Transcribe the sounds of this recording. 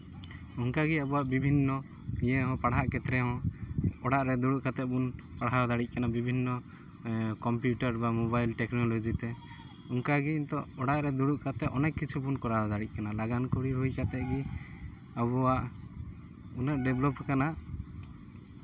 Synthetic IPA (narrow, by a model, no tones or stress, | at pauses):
ɔŋkaɡɛabɔwaʔbibʱinːɔ | ijɛɦɔ̃paɽɦaʔkɛt̪ɾɛɦɔ̃ɔɽaʔɾɛd̪uɽuʔkat̪ɛʔ̚bunpaɽaɔd̪aɽic̚ˀkanabibʱinːɔ | kɔmpjuʈaɾbamɔbajlʈɛknɔlɔd͡ʒit̪ɛ | ɔŋkaɡɛint̪ɔɔɽaʔɾɛd̪uɽuʔkat̪ɛʔɔnɛʔkːit͡ʃʰubunkɔɾaɦɔd̪aɽic̚ˀkanalaɡankɔɾiɦujkat̪ɛɡi | abɔwaʔ | unaʔ̚ɖɛblɔpkana